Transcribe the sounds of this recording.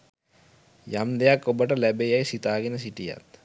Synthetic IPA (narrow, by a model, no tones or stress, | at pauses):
jamd̪ejakobɐʈɐlɛbejajsit̪aːɡinɐs̬iʈija̰t̪